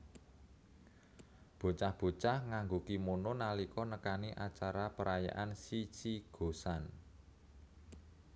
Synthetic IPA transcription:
b̥o̤t͡ʃahb̥o̤t͡ʃahŋaŋɡukimononalikɔnəkaniʔat͡ʃaɾapəɾaja̰ʔansit͡ʃiɡ̥o̤san

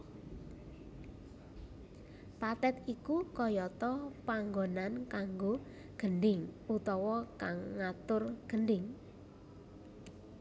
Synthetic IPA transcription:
pat̪ɛt̪ikukɔjɔt̪ɔpaŋɡonankaŋɡo | ɡ̥ənɖɪŋut̪ɔwɔkaŋːat̪ʊrɡ̥əɳɖɪŋ

